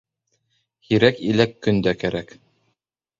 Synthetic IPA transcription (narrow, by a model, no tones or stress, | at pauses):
hiɾækilækːɵ̆nd̪ækæɾæk